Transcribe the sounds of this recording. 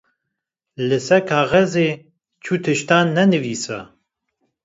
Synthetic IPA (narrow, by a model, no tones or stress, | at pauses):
lɨsɛkʰaːʁɛzeː | t͡ʃʰuːt̪ʰɨʃt̪aːnːɛnɨviːsɛ̰